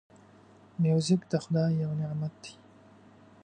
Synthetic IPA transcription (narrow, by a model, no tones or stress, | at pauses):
mjuzɪkd̪axʊd̪ɑːjawnɪʕmat̪̚d̪i̥